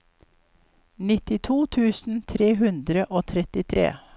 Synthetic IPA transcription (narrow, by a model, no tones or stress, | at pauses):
nɪt̪ɪt̪ʰuːt̪ʰʉːsn̩t̪ʰɾeːɦʉnd̪ɾəʔoːt̪ʰɾɛt̪ɪt̪ʰɾḛː